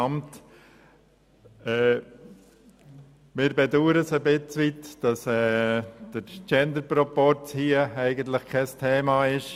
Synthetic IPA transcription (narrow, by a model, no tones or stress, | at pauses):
ɑmt | ɛː | mɪːɾbɛduːɾəsəbɪt͡sʋitd̥ɑsɛːd̥əɾt͡ʃɛnd̪əɾpɾopɔɾt͡shiəæɪɡənt̪ləχkʰɛstʰɛːmɑɪʃ